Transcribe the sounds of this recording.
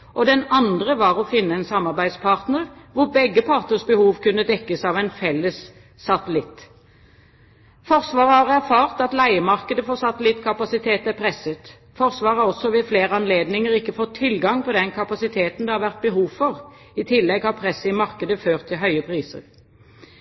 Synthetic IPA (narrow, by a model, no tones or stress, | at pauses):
ʔɔd̪ɛnɑnd̪ʁəʋɑːɾɔfɪnːəɛnsɑmːɑʁbæɪd̪spʰɑʁt̪nəʁʋʊɾbɛɡːəpʰɑːʁt̪nəʁsbəhuːʋkʉnːəd̪ɛkːəsɑːʋɛnfɛlːəsː | ɑt̪əlɪt̪ | fɔʁsʋɑːʁəhɑʁæʁfɑːʁt̪ɑt̪læɪəmɑʁkəd̪əfoːɾsɑt̪əlɪt̪ːkʰɑpɑsɪt̪ʰeːt̪æpʰɾɛsːət̪ | fɔʁsʋɑːʁəɑɔsːɔʋɪfleːɾəɑnleːd̪nɪŋəɾɪkːəfɔt̪ʰːɪlɡɑŋpɔd̪ɛnkʰɑpɑsɪt̪ʰeːt̪n̩d̪ɛhɑɾʋæʁt̪̚bəɦuːʋfɔʁ | ɪt̪ʰɪlːɛɡhɑʁpʰɾɛsːəɪmɑʁkəd̪əføːʁt̪ʰːɪlɦœʏəpʰʁiːsə̰ʁ